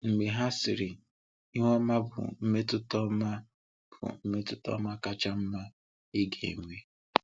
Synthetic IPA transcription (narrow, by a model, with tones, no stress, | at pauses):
ŋ͡m̩˨ɡ͡be˨ɦa˦sɪ˨ɾɪ˨ | i˦ŋʷɔ˦ma˦bʊ̰˨m̩˦me˦tʊ˦tɔ˦ma˦ | b̥ʊ̰˨m̩˦me˦tʊ˦tɔ̰˦ma˦ka˦t͡ʃa˦m̩˦ma˦ | i˦ɡḛ˨ŋʷe˦